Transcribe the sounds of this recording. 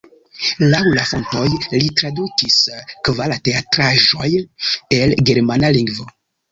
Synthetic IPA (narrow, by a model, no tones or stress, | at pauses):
lawlafontojlitɾadukiskvalateatɾaʒojelɡeɾmanaliŋɡvo